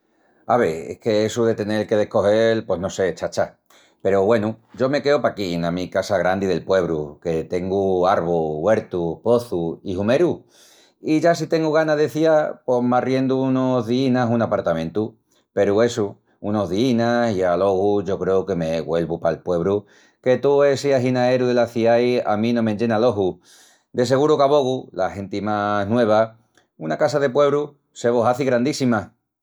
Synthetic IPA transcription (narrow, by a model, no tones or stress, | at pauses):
aβeḛhke̞esuðe̞t̪e̞ne̞lke̞ð̞e̞hko̞ɦe̞lpwe̞ɦno̞se̞t͡ʃat͡ʃa | pe̞ɾoβwe̞nud͡ʒo̞me̞ke̞opakienamikasaɣ̞ɾand̪iðe̞lpwe̞β̞ɾuke̞t̪e̞ŋɡuaɾβ̞owe̞ɾt̪upo̞θuihume̞ɾu | iʝasit̪e̞ŋɡuɣ̞anaðe̞θiapo̞marje̞nd̪uunozðiinasunapaɾt̪amẽ̞nt̪u | pe̞ɾue̞su | uno̞ɦðiinasialo̞ɣuʝo̞kɾe̞uke̞meɣwe̞lβupalpwe̞βɾu | ke̞t̪uesiaɦinae̞ɾuðelaθiaja̰mĩnõmẽɲd͡ʒe̞nalo̞ɦu | d̪e̞s̬e̞ɣ̞uɾukaβo̞ɣulahe̞nt̪imanwe̞β̞a | unakasaðe̞pwe̞βɾu | se̞β̞oɦaθiɣɾand̪isima